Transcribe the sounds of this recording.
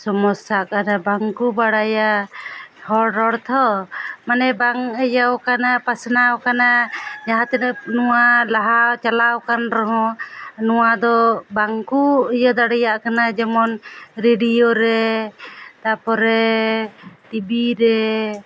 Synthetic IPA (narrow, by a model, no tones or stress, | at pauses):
sɔmɔsakanabaŋkubaɽaja | hɔɽɔɽt̪ʰɔmanɛbaŋəjawkanapasnawkanad͡ʒaɦãt̪ɛnɛnuwalaɦat͡ʃalawkanɾɔɦɔ̃nuwad̪ɔbaŋkujɔd̪aɽɛjaʔkanad͡ʒɛmɔnɾeɖijoɾɛ | t̪apɔɾɛ | t̪ibiɾɛ